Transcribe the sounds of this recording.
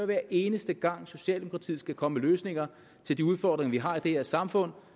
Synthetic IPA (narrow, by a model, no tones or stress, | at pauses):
ɐʋæɐʔe̝ːnəsd̥əɡ̥ɑ̈ŋ̰so̝ɕɛ̰ːld̥emokʰʁɑ̈t͡sʰḭːð̩ˠsɡ̥ækʰɒ̽məløːsne̝ŋɐ | t͡sʰe̝ld̥iuð̞ˠfɒːd̥ʁeŋɐʋiɦɑ̈id̥eheɐsɑ̈mfɔ̽n̰